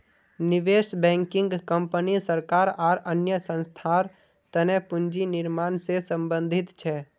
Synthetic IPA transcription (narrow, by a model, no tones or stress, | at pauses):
nɪʋeːʃbɛ̃ːŋkɪ̃ŋɡkə̃mpənisəɾkaːɾaːɾənjəsə̃nst̪ʰaːɾ | t̪ənɛpʊnd͡ʒinɪɾmaːnsesə̃mbə̃nd̪ʱɪt̪t͡ʃʰɛː